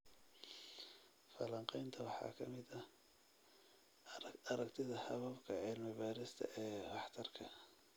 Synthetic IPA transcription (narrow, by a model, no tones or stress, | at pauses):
fɐlɐɴqɛjnt̪ʰɐwɑħɑ̰ːkʰɐmɪðɐ | ɐɾɐkt̪ʰɪðɐhɐβɐbkʰɐʕɪlmɪbaːɾɪst̪ʰɐ̰ʔɛːbɑħt̪ʰɐrkʰɐ